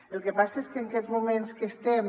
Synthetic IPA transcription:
əlˠkepasəeskəːŋkɛzmumẽnskəest̪ɛm

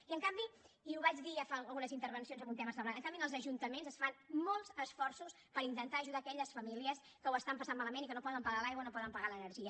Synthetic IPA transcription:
iəŋkambi | iuβad͡ʒðiafaəlˠɣunəzint̪əɾβənsionzəmunt̪ɛməsəmlanəŋkambinəlˠzəʒunt̪əmenzəsfanmolˠzəsfɔrsus | pəɾint̪ənt̪aːʒuðaːkɛʎəsfəmiliəs | kəwəst̪ampəsammaləmenikənopɔðəmpəɣalajɣwənopɔðəmpəɣalənəɾʒiə

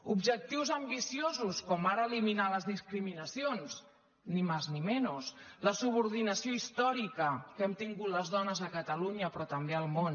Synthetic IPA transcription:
ubʒək̚t̪iwzəmbisiozuskɔmaɾəːliminaləzðiskɾiminəsionz | nimaznimɛnusləsuβuɾðinəsioist̪ɔɾikəkɛmt̪iŋɡut̪ləzðɔnəzəkət̪əluɲəpɾɔt̪əmbeəlˠmon

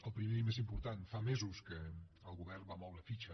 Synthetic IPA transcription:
əlˠpɾimemezimpuɾt̪anfamezuskəəlˠɣuβɛrbamɔwɾəfit͡ʃə

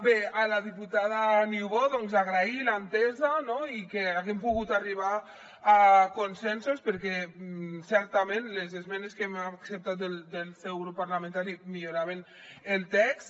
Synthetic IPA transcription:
bealaðiput̪að̞aniuwβoðɔŋzaɣɾailant̪ɛzanoikeaɣempuɣut̪ariβ̞aː | konsɛnsospəɾkɛsɛɾt̪amẽnlezezmɛneskɛmaksep̚t̪at̪̚d̪eld̪elsɛwɾopaɾlamẽnt̪aɾimiʎoɾaβ̞en | elˠt̪ɛks

